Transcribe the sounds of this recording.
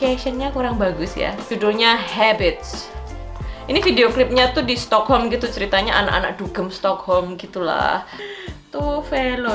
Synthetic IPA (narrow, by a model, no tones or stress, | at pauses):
keʃənɲakuɾaŋbaɡʊsja̰d͡ʒudɔlɲahɛbɪt̪̚s | inifideoklɪp̚ɲat̪udist̪ɔkhɔlmɡit̪ut͡ʃəɾit̪aɲaʔanaka̰nak̚d̥uɡəmst̪ɔkhɔlmɡit̪ula̰ht̪ufelʊ